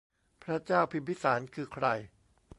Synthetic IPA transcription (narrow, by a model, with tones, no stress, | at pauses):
pʰɾa˦˥t͡ɕaː˥˩wpʰi˧t̪̚pi˦˥saː˩˦nkʰɯː˧kʰɾa˧j